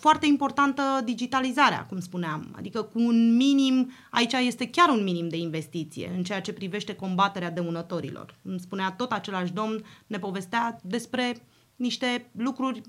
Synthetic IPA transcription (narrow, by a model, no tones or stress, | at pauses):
foart̪e̞impo̞rt̪ant̪əd̪id͡ʒit̪alizaɾea̰kumspuneama̰d̪ikəkuːnminim | a̰it͡ʃaje̞st̪e̞kʲaɾunminimd̪e̞inve̞st̪it̪sḭje̞̰ɨnt͡ʃe̞jat͡ʃe̞pɾive̞ʃt̪e̞ko̞mbat̪e̞ɾead̪e̞unət̪o̞ɾḭlo̞̰rkumspuneat̪o̞t̪at͡ʃe̞laʃ̬d̪o̞mnːe̞po̞ve̞st̪ead̪e̞spɾe̞ | niʃt̪e̞lukɾurʲ